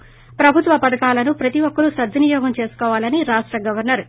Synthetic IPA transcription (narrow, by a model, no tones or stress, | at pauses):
pɾɐbʱut̪ʋɐpɐd̪ɐkaːlɐnupɾɐt̪iʋɔkːɐɾusɐd̪ʱːinijɔːɡɐmt͡ʃe̞ːsu̥kɔːʋaːlɐniɾaːʂʈɾɐɡɐʋɐɾnɐɾ